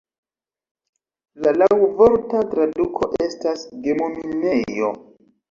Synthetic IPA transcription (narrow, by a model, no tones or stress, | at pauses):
lalawvoɾtatɾadukʰo̞ʔe̞stasɡe̞momine̞jo̞̰